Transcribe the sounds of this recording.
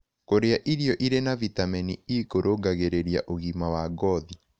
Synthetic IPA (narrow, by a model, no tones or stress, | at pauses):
koɾeaʔiɾiɔʔiɾenavitamɛniikoɾʔoɡaɣeɾeɾjaʔoɣimawaɡɔði